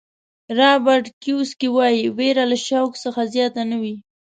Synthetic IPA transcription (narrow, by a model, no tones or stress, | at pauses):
ɾɑbaɾʈkjuskiwɑjiweɾalaʃawksəxazjɑt̪anəwi